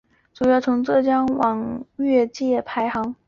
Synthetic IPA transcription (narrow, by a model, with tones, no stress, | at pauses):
ʈ͡ʂu˨˩jɑ˥˩ʊt͡sʰʊ˧˥ŋt͡sɤ˥˩t͡ɕjɑ˥ŋwɑ˨˩ŋɥɛ˥˧t͡ɕjɛ˥˩pʰa˧˥ɪxɑ˧˥ŋ